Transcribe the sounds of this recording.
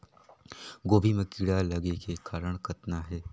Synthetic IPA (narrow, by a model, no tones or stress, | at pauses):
ɡoːbʱimẽkiɽalɐɡekekaːɾəɽ̃kʰɐt̪naɦɛː